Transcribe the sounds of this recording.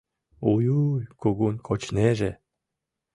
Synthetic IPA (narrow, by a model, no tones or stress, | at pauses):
ujujkoɡunʲkʰot͡ɕneʒe